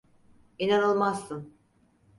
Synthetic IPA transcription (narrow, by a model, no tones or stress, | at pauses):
inanolˠmazːɯn